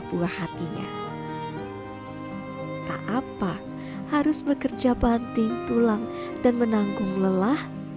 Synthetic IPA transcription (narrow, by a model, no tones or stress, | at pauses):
buahːat̪iɲa̰ | k̪a̰ʔapa | haɾʊsbəkərd͡ʒabant̪ɪŋt̪ulaŋ | d̥anmənaŋɡʊŋləlah